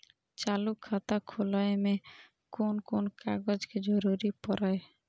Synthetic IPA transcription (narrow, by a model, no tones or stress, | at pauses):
t͡ʃalukʰːat̪akʰolaeme | konkonka̰ɡɔd͡ʒked͡ʒɔɾuɾipɔɾae